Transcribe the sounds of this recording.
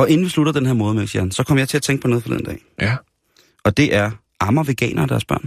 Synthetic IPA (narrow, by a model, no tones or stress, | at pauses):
ɒ̽ʔe̝n̩ʋisluɾ̥ɐd̥enɦeɐ̰mɔ̽ːð̞̩ˠmelsiɐhænsɒ̽kʰɒ̽mɐjɪt͡sʰe̝æt͡sʰeŋɡ̥̚pʰɒ̽neðˠfɒlḭð̰ˠn̩dɛ̰ː | ɒ̽d̥e̝ʔæɐ | ʔɑ̈mɐʋe̝ɡ̥ɛ̰ːnʔɐd̥æɐsb̥ɶɐ̰n